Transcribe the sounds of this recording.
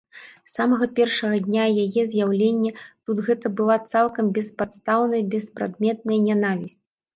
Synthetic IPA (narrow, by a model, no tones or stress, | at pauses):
samɐɣɐpʲɛrʂɐɣɐd̪ʲnʲajajɛzʲjawlʲenʲːɛt̪ud̪ɣɛt̪ɐbɨlˠat̪salˠkɐmbʲɛspat̪st̪awnɐjbʲɛspɾa̰d̪mʲɛt̪̚nɐjɐnʲanavʲisʲt͡sʲ